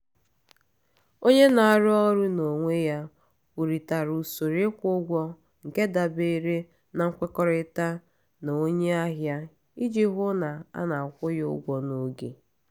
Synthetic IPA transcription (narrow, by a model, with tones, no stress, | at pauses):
o˦ɲe˦na˨a˨ɾʊ˦ɔ˦ɾʊ˦no˨ŋʷe˦ja˦ | u˨ɾi˨ta˨ɾu˨so˨ɾɪ˦kʷʊ˦ɡʷɔ˦ | ŋ̩˨ke˦da˨be˦ɾe˦ | na˨ŋ̩˦kʷe˦kɔ˦ɾɪ˦ta˦ | na˨o˦ɲe˦a˦ɦja˦ | i˦d͡ʒi˦ɦʊ˦na˨a̰˦na˨kʷʊ˦jʊ˦ʊ̰˦ɡʷɔ˦no˨ɡe˨